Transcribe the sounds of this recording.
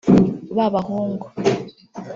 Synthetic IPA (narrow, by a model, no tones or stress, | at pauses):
βaβahoːŋɡo